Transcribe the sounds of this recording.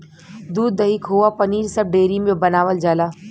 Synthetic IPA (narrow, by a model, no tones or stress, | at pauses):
d̪uːd̪ːɐɦikʰoapɐniːɾsɐb̚ɖeːɾimẽbɐnaːʋəld͡ʒaːlaː